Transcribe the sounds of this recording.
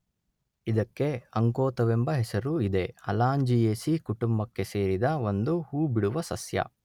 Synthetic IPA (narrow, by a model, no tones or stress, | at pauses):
id̪ɐkːe̞ɐŋkoːt̪ɐʋembɐɦɛsɐɾuid̪e̞ɐ̰laːɲd͡ʒijeːsikuʈumbɐkːe̞se̞ːɾid̪ɐo̞nd̪uhuːbiɽuʋɐsɐsjɐ̰